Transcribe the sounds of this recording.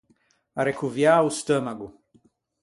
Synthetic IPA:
aɾekuvjaust̪ɐmaɡu

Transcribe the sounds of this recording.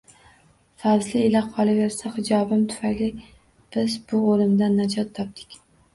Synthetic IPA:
fazlɪɪlaqʰɒlˠɪve̞ɾsahɪd͡ʒɒbɪmt̪ʰʊ̥fajlɪ | b̥ɪzbʊolˠɪmd̪anːad͡ʒɒt̪ʰːɒp̚d̪ɪ̥kʲ

